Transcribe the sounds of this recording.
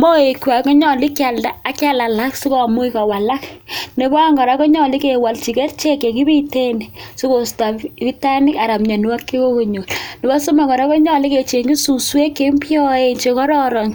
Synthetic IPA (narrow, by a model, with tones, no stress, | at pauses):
mbɔ˦e˨kwa˨kɔ˦ɲɔ˨li˦ka˨ldaː˦ka˦la˨la˦ksu˦kɔ˨mu˦i˦kɔ˨wa˨la˦kne˨bɔ˦a˦ŋɡɔ˨ɾa˦ko˦ɲɔ˦˨li˦ke˨wa˨lt͡ʃi˨ke˦rt͡ʃe˦ke˨ki˦βi˦te˦ni˨su˦ko˨sta˨i˦ta˦ni˦ka˨ɾa˨mɲa˨nu˦wa˦kːe˦ko˦ko˨ɲo˨lni˨bɔ˦su˦ma˨ŋɡɔ˨ɾa˦ko˦ɲɔ˦li˦ke˨t͡ʃe˨ŋɡi˦su˨swe˦kːe˦mpjɔ˦e˨ɲt͡ʃe˨kɔ˦ɾɔ˦ɾɔ˨n